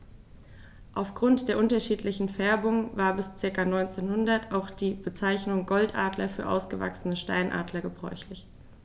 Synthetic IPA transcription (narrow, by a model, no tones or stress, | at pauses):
ʔaʊfɡ̥ʁʊntd̥eːɐʔʊntɐʃiːtlɪçn̩fɛɐbʊŋvaːɐbɪst͡sɪɐkanɔʏnt͡seːnhʊndɐtʰaʊxd̥iːb̥ət͡saɪçnʊŋɡɔltʔa̰ːdlɐfyːɐʔa̰ʊsɡ̥əva̰ksənəʃta̰ɪnʔa̰ːdlɐɡəbʁɔ̰ʏçlɪç